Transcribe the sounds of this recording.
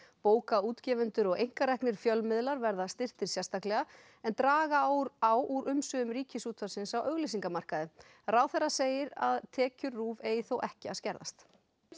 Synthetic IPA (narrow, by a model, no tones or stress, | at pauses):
poːwkauːt̪cɛːvʏnt̪ʏɾɔɣejŋ̥kaɾɛhknɪɾ̥fjœlmɪðlaɾvɛɾðast̪ɪr̥t̪ɪɾ̥sjɛrst̪ahklɛɣa | ɛnt̪ɾaːɣaɾawʔuɾʔʏmsʏʏmɾiːcɪsuːt̪ʰasɪnsawʔœɣlɪs̬iŋkamar̥kaðɪ | rawθɛraseːjɪɾa̰ðt̪ʰɛːcʏɾːuːveːjɪθowʔɛhcɪaðscɛɾða̰st̪